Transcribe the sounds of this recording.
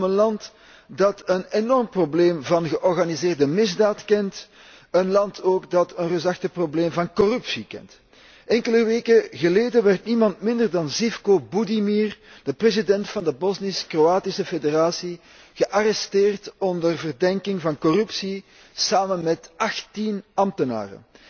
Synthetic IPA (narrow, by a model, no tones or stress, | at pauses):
mənlɑnt | dɑtənenɔrmprobleːmvɑnɣəʔɔrɣanizeːrdəmɪzdaːtkɛnt | ənlɑntʰoːɡdɑtənrøzɑxtəprobleːmvɑnkɔrʉpsikɛ̰nt | ɛŋkələʋeːkəɣəleːdənʋɛrtnimɑntmɪndərdɑnzifkobudimiːr | d̥əprezidɛntfɑndəbɔznɪskroaːtisəfederaːsi | ɣəʔarɛsteːrtɔndərvərdɛŋkɪŋvɑnkɔrʉpsi | saːmənmɛtɑxtinɑmtəna̰ːrə̰